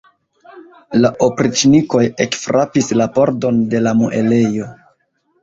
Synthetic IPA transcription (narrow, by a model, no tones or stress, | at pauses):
laʔopɾit͡ʃniko̞jekfɾʔapislapo̞ɾdo̞nde̞lamuʔḛle̞jo̞